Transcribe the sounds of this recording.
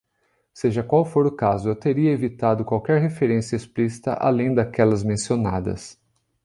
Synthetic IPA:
seʒɐkwawfoɾʊkazʊewt̪eɾiɐevit̪ad̪ʊkwawkɛɾɦefeɾẽsiɐesplisi̥t̪ɐ̰ʔa̰lẽj̃d̪akɛlɐzmẽsionad̪ɐ̰s

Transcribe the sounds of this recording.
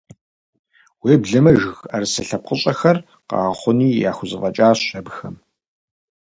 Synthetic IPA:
weːbɮɐmɐʒxɐrsɐɬɐp̚qəɕʼɐxɐr | qɑ̰ːʁɐχʷʊniːja̰ːxʷʊzɨʁɐt͡ʃʼaːɕɐbxɐm

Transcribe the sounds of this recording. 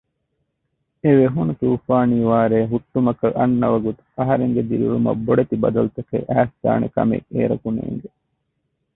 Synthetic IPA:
eʋeɦunut̪uːfaːniːʋaːɾeːɦuʈːumɐkɐʔɐnːɐʋɐɡut̪u̥ɐɦɐɾeŋɡed̪iɾulumɐ̰bːoɖet̪ibɐd̪ɐlut̪ɐkḛʔæːsd̪̥a̰ːnḛkɐ̰mḛʔeːɾɐkunḛːŋɡe

